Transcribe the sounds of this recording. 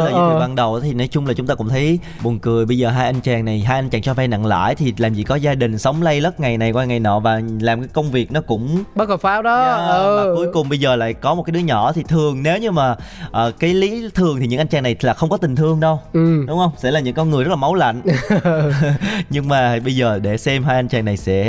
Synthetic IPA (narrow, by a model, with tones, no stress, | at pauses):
laː˨˩˨va˧nɗə˨˩wa˨˦t̪ʰi˨˩nɔ˨˦jt͡ɕʊ˧ŋ͡mlaː˨˩t͡ɕʊ˨˦ŋ͡mt̪aː˧kʊ̰˧˥ŋ͡mt̪ʰə˨˦j | ɓu˨˩nkɨ˨˩əjɓə˧jzəː˨˩ɦaː˧jʔa˧ŋ̟t͡ɕaː˨˩ŋna˨˩jɦaː˧jʔa˧nt͡ɕaː˨˩ŋt͡ɕɔ˧fɛː˧na̰˧˨ŋla̰ː˧˨jt̪ʰi˨˩laː˨˩mzḭ˧˨˩kɔ˨˦zaː˧ɗï˨˩ŋ̟sə˨˦wŋ͡mlə˧jlə˦˥t̚ŋa˨˩jna˨˩jkwaː˧jŋa˨˩jnɔ̰˧˨˩vaː˨˩laː˨˩mkaː˨˦jkə˧wŋ͡mvi˨˩ək̚nɔ˨˦kʊ̰˧˥ŋ͡mɓə˦˥t̚lə˨˩faː˨˦˥wɗɔ˨˦˧aː˨˩ku˨˦əjkʊ˨˩ŋ͡mɓə˧jzəː˨˩la̰ː˧˨jkɔ˨˦m̚˨˩kaː˨˦ɗɨ˨˦əɲɔ̰˧˩˨t̪ʰi˨˩t̪ʰɨ˨˩əŋne˨˦wɲɨ˧maː˨˩ʔəː˨˩kaː˨˦jli˨˦t̪ʰɨ˨˩əŋt̪i˨˩ɲɨ̰˧˥ŋʔa˧n̟t͡ɕaː˨˩ŋna˨˩jlaː˨˩xə˧wŋ͡mkɔ˨˦t̪ï˨˩ŋ̟t̪ʰɨ˧əŋɗə˧wɗʊ˨˦ŋ͡mhə˧wŋ͡msɛ̰˧˥laː˨˩ɲɨ̰˧˥ŋkːnŋɨ˨˩zə˦˥t̚laː˨˩ma˨˦wla̰˧˨jŋ̟ | ɲɨ˧ŋmaː˨˩ɓə˧jzəː˨˩ɗe˧˩sɛ˧mɦaː˧jʔa˧nt͡ɕaː˨˩ŋna˨˩jsɛ̰˧˥